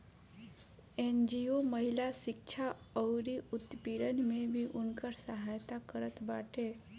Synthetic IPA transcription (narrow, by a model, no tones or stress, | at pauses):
end͡ʒioməɦilaʃɪkt͡ʃʰaɔwɾiut̪piɾənmẽbʱiʔʊnkəɾsəɦajt̪akəɾət̪baʈʰe